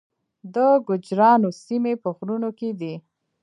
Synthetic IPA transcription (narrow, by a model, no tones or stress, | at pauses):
d̪əɡʊd͡ʒɾɑnosimepəxɾunoked̪i